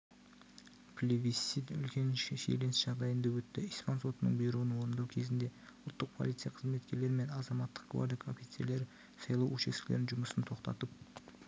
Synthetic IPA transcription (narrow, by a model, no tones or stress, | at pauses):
pʰlʲevʲisit̪ʏ̰lkʲe̞nʃḛle̞nsʒɑʁd̪ɑjənd̪ɑwɵt̪ːɪispanso̞t̪ənə̰ɴbijɾuənwo̞ɾnd̪ɑwkʲʰe̞zɪnd̪e̞ʊlˠt̪ːəq̚pʰolˠijt̪sɨjaqʰəzme̞t̪̚kʲe̞ɾle̞ɾɪme̞nɑzɑmɑt̪ːə̥q̚ɡʰva̰ɾd̪ɪkʰofijt̪seɾle̞ɾ | sɑjlˠɑwʔɵʃesɪ̥kʲleɾɪnʒʊməsənt̪ʰo̞qt̪ɑ̰t̪əp̚